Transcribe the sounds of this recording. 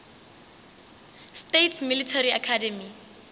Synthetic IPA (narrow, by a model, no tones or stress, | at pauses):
stetʰsmilitʰariakʰadɛmi